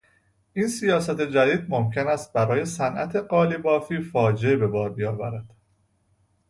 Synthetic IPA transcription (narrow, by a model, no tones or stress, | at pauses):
ʔiːnsijɒːsæt̪ʰe̞d͡ʒæd̪iːd̪̚mo̞mcʰe̞næst̪̚bæɾɒːje̞sænʔæ̰t̪ʰe̞ɢɒːlibɒːfiːfɒːd͡ʒeebe̞bɒːɾbijɒːvæɾæd̪̥